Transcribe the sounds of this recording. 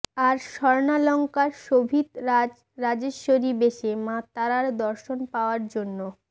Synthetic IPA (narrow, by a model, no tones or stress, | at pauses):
aɾʃɔɾnalɔŋkaɾʃobʱid̪a | ɾad͡ʑeoɾibeʃemat̪ːaɾaɾd̪ɔɾʃonpaoaɾd͡ʑonːo